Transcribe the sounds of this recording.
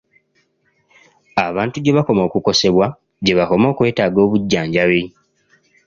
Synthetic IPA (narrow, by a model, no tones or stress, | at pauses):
aβaːntuɟe̞βako̞mo̞ːkuko̞se̞βwa | ɟe̞βako̞mo̞ːkwe̞ːtaːɡo̞ːβuɟːaːɲɟawi